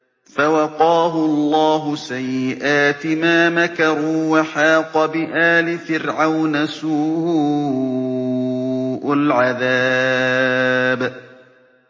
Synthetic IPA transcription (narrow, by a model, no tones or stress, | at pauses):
fawɑqɑːɦʊɑlˤːɑːɦʊsajːɪʔaːt̪ɪmaːmakɑɾuːwaħɑːqɑbɪʔaːlɪfɪɾʕawnasuːhʊ | ʔalʕaðaː | b